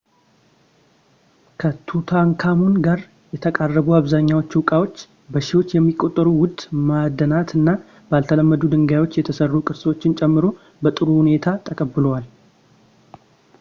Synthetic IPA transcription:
kʰət̪ʰut̪ʰaŋkʰamunɡaɾ | jɛt̪ʰəkʼarːəβuaβzaɲːawo̞t͡ʃːwʊkʼawo̞t͡ʃː | bəʃɪhwo̞t͡ʃːjɛmːikʼo̞t̪ʼːəɾuwʊd̪mad̪ːənat̪ʰɨnːa | balt̪ʰələmːəd̪ud̪ɨŋɡajwo̞t͡ʃːjɛt̪ʰəsərːukʼɨɾswo̞t͡ʃːɪnt͡ʃʼɛmːɨɾo̞ | bət̪ʼɨɾuhune̞t̪ʰat̪ʰəkʼəbɨlowal

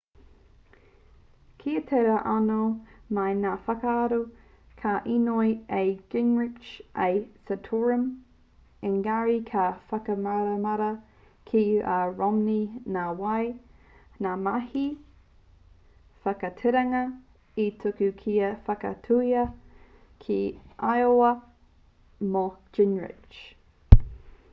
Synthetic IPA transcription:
kʰiɐt̪ʰeɾɐʔɐnomɐjnaːfɐkaːɾu | kʰaʔinojejɡ̥ɪŋɹɪt͡ʃʔejsətʰoɹəm | ɪŋɡaɹikʰafɐkɐmɐɾɐmɐɾɐ | kʰiʔaɹɔmninaːwɐj | naːmɐhi | fɐkɐtʰɛɾɐŋɐ | itʰʊkʉkʰiɐfɐkɐ̰tʰuiɐ | kʰiʔajoɐ | moɡ̥ɪnɹɪ̰t͡ʃ

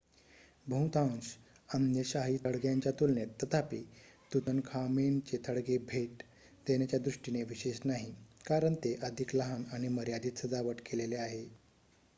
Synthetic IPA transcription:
bʱə̃wt̪ãnɕ | ənjəɕaɦit̪ʰəɽɡjaɲt͡ɕjat̪ulnet̪ːət̪ʰapit̪ut̪ənkʰament͡ɕet̪ʰəɽɡebʱeʈ | d̪enjat͡ɕjad̪ɾuʂʈineʋiɕeɕnaɦikaɾəɳt̪eʔəd̪ʱikləɦanaɽ̃iməɾjad̪iːt̪səd̪aʋəʈkeleleaɦe

